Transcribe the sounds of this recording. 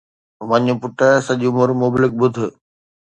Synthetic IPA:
ʋɐɲʊpʊʈəsɐʄʊmʊɾmʊblɪk̚ɓʊd̪ʱʊ̆

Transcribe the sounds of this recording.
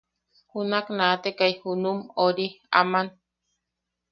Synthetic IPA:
hunaknaːt̪ekajhunumoɾia̰man

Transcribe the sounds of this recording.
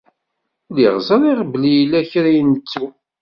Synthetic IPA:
liʁzəɾˤiʁəblijlːæçɾæjnt͡sːu

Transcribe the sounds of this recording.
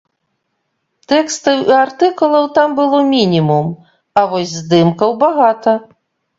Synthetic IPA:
t̪ɛkst̪ɨwiart̪ɨkulˠɐwt̪ambɨlˠɔmʲinʲimum | ɐvɔsʲzd̪ɨmkɐwbaɣat̪ɐ

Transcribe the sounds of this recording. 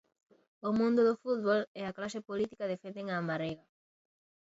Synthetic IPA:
omũnd̪ʊðʊfut̪̚βolɛaklaʃepolit̪i̥kaðefend̪eŋaːmaɾejɣa

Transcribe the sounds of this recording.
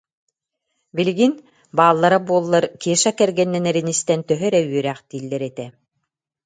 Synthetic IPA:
biliɡin | baːlˠːaɾabuɔlˠːaɾkiɛʃakɛɾɡɛnːɛnɛɾinist̪ɛnt̪œɦœɾɛwyœɾæːχt̪iːlːɛɾɛt̪ɛ

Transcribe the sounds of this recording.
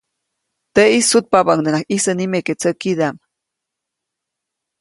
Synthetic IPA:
t̪eisut̪̚pabaŋd̪ənaxisənimeket͡səkid̪am

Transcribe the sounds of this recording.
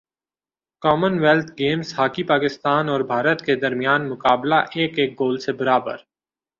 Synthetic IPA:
kɔːmənwelt̪ʰɡeːmshaːkipaːkɪst̪aːnɔːɾbʱaːɾət̪ked̪ɐɾmijaːnmʊkaːblaʔeːkeːk̚ɡoːlsebɐɾaːbə̰ɾ

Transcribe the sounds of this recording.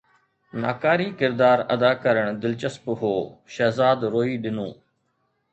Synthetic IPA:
na̰ːkaːɾiːkɪɾd̪aːɾɐd̪aːkəɾəɳ̃d̪ɪlt͡ʃəspɦoːʃɛːzaːd̪ɾoːiːɗɪnõː

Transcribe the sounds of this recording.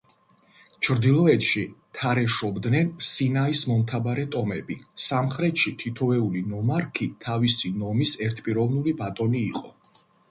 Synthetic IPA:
t͡ʃʰɾd̪ilˠɔɛt̪ʰʃit̪ʰaɾɛʃɔbd̪nɛnsinaismɔmt̪ʰabaɾɛt̪ʼɔmɛbisamχɾɛt̪ʃit̪ʰit̪ʰɔvɛulinɔmaɾkʰit̪ʰavisinɔmisɛɾt̪ʰpʼiɾɔvnulibat̪ʼɔniːqʼɔ

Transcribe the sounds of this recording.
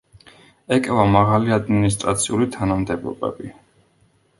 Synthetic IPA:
ɛkʼɛvamaʁaliad̪minis̬t̪ʼɾat̪sʰiulit̪ʰanamd̪ɛbɔ̰bɛ̰bi

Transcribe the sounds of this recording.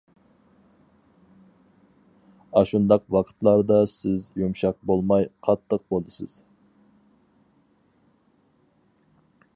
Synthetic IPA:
ɑʃund̪ɑqwɑqʰə̥t̪lˠɑɾd̪ɑsɪzjumʃɑq̚bolˠmɑjqʰɑt̪ʰːəq̚bolˠd̪ɨsɨ̰z̥

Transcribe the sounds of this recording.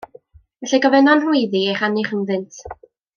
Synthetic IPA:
ɛɬɛɡɔvɛnɔnhʊɨjðieχanɪχənðɨntʰ

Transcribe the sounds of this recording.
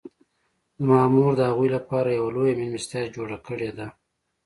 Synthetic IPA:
d̪əmɑːmuɾd̪əhaɣujlapɑɾajawalojamɪlmɪst̪jɑd͡ʒoɽakəɽed̪a

